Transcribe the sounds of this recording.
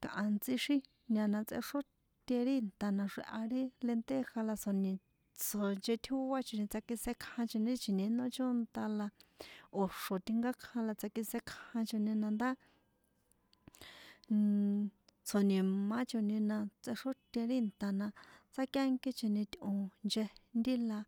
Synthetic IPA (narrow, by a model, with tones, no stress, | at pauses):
kã˨ʔã˧nt͡si˦ʃi˦ | nã˧nã˧t͡sḛ˧ʂo˦ | t̪ʲe˧ɾi˦˧nt̪a˨nã˧ʂḭ˧ʔa˧ɾi˦le˧nt̪e˦xa˧la˧so˨nĩ˧ | t͡so˨nt͡ʃe˧t̪ʰu˦wa˦t͡ʃo˨nĩ˧t͡sa˧ki˧se˧kʰhã˧t͡ʃo˧nĩ˧˦t͡ʃi˨nẽ˨˧˦nõ˦t͡ʃo˦nt̪a˧la˧o˨ʂo˨t̪i˧ŋɡa˦kʰhã˧la˧t͡sa˧ki˧se˧kʰhã˧t͡ʃo˧nĩ˧nã˧nd̪a˦ | t͡sʰo˨nĩ˨mã˦t͡ʃo˧nĩ˧nã˧t͡se˧ʂo˦t̪ʲe˧ɾi˦˨nt̪a˨nã˧t͡sa˦kja˦ŋki˦t͡ʃi˧nĩ˧t̪ʲõ˧nd͡ʒe˧nd̪i˦la˧